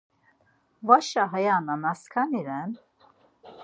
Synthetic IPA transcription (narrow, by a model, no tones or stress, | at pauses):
vaʃaɦajananaskʰaniɾɛn